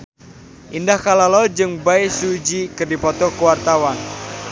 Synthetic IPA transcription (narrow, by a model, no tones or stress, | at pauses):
ʔindahkalalɔd͡ʒɨŋbaisud͡ʒikɨrdipɔt̪ɔkuwart̪awan